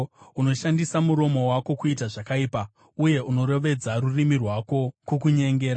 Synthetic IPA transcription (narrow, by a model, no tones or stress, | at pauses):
uno̞ʃandisamuɾo̞mo̞wako̞kuitaʐakaiːpa | uje̞ʔuno̞ɾe̞ʋe̞d͡zaɾurimirwako̞kukuɲe̞ŋɡe̞ːɾa